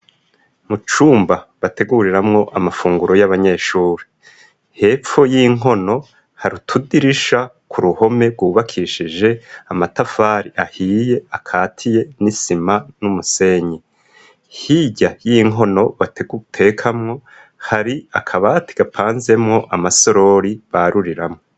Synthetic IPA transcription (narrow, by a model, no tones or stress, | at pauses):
mut͡ʃuːmbaβate̞ɡuɾiɾamŋo̞ʔamafuːŋɡuɾo̞jaβaɲe̞ːʃuːɾe | he̞ːp͡fo̞jiŋɦo̞no̞ | haɾutʰudiɾiʃa | kʰuɾuho̞me̞bɡuːβakʰiʃiʒe̞amatafaːɾiʔahiːje̞akʰaːtʰije̞nisimanumuse̞ːɲe | hiɟajiŋɦo̞no̞βatetʰe̞kʰamŋo̞ | haɾiakʰaβati̥ɡ̥apʰaːnze̞mŋo̞ʔamaso̞ɾo̞ɾiβaɾuɾiɾamŋo